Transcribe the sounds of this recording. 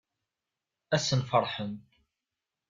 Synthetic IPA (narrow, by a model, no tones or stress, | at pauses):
æsənfəɾˤħəm